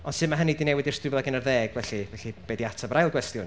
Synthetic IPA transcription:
ɔnsɨːðmaɦənidinɛwɪdɪrstrɪvlˠaɡənərðɛːɡ̥vɛɬivɛɬib̥ɛːdiatʰabɾajlˠɡwɛstjʊn

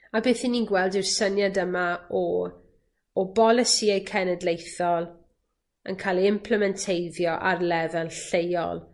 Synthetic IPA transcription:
abeːθininɡwɛlˠdɪrsənjadəmaɔ | bɔlˠɪsiejkʰɛnɛdlejθɔlˠ | ə̰nkʰaːlˠiɪmpʰləmɛntʰejðjɔʔarlɛðɛlɬejɔ̰lˠ

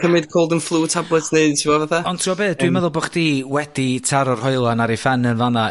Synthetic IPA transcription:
kʰəmɪd̥kʰoːlˠdənflˠuːtʰablˠɛtʰneɨdtʰimɔvaθaɔntʰuɔbeːθd̥wimɛðʊlˠboχd̥iːwɛd̥itʰaɾɔrhɔɨlˠanaɾifanənvana

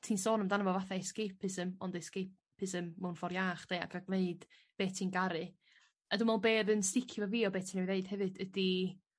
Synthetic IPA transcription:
tʰiːnsoːnəmdanəvɔvaθaejskejpʰɨsəmɔndejskep | pʰɨsəmmːɛwnfɔɾjaːχd̥eja̰kʰaɡlˠeɨd̥ | b̥eːtʰiːnɡaɾɨ | adumɔlˠbeːðənstɪkʰjʊvaviːɔbeːtʰiːnɛwineɨd̥hɛvɨdədi

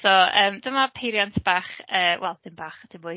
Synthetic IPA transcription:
sɔəːmd̥əmapʰejɾjantʰb̥aːχəːwʔɛlˠd̥ɪnbaːχd̥ɪbʊ

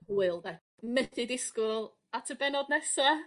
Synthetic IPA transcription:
huːɨlˠvɛ | mɛθɪdɪskʊlˠ | atʰəbɛnɔdnɛsa

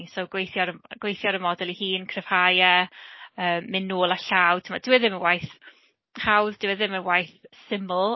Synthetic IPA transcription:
soɡ̥wejθjɔɾəɡ̥wejθjɔɾəmɔdɛlˠihiːnkʰrɪv̥hajə | əːmːɪnːoːlˠaɬawtʰɪmadɪwɛðɪməwajθ | hawðd̥ɪwɛðɪməwajθsɪməlˠ

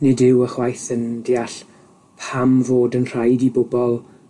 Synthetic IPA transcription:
nɪdɪwəχwajθəndiːaɬ | pʰamvoːdənr̥ajdibʊbɔlˠ

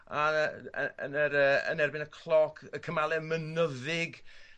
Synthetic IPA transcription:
aəə̰nəɾəə̰nɛrbɪnəkʰlˠɔkʰəkʰəmalˠɛmənəðɪɡ

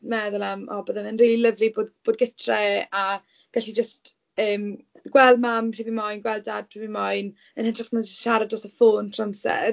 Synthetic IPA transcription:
mɛðʊlˠamɔ̰bəðɛmənrilləvliboːdb̥oːd̚ɡɪtʰrɛa | ɡ̥aɬid͡ʒəst | əːm | ɡ̥wɛlˠmamr̥ivimɔjnɡwɛlˠdad̚pʰr̥ivimɔjn | ənhɪntʰraχnɔd͡ʒəstʃaɾadɔsəfoːntʰramsɛ̰r

